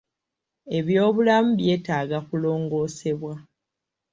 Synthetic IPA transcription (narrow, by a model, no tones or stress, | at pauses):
e̞βjo̞ːβulamuβje̞ːtaːɡakulo̞ːŋɡo̞ːseβwa